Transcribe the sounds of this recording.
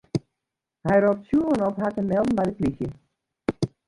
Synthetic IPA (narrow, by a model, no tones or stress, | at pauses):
hɛjrop̚tsjuəənɔphatəmɛlˠdn̩bɛjdəplixjə